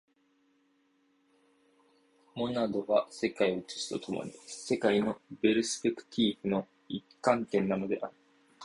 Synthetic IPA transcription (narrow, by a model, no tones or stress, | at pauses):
mo̞nad̪o̞ɡase̞kaioot͡ɕi̥si̥t̪o̞t̪ʰo̞mo̰ɲ̟ise̞kaino̞be̞ɾɯ̟sɨ̥pekɯ̟̥t̪ʲʰiːɸɯ̟no̞ | ikːãnt̪ẽ̞nːano̞d̪e̞̰ʔaɾɯ̟